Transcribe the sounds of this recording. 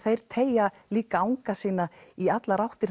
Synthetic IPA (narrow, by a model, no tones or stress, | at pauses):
θejɾ̥t̪ʰeːjaliːkaawŋkasiːnaiat̪laɾawht̪ɪɾ̥